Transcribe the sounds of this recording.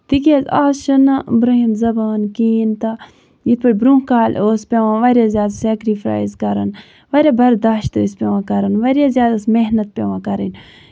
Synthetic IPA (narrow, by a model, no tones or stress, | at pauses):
t̪ikʲezaːsʃɐnɐbɾɐɦinzɐbaːnkiːnt̪ɐ | jit̪pɐʈʲbɾũkaːloːspʲeʋãːʋɐɾʲjaːzjaːd̪asɛːkɾipʰɾa̰ːjzkɐɾɐ̰n | ʋɐɾʲabɐɾd̪aːʃt̪oːspʲɐʋãːkɐɾɐnʋɐɾʲjazʲjaːd̪ɐsmeɦnɐt̪̚pʲeʋãːkɐɾḭn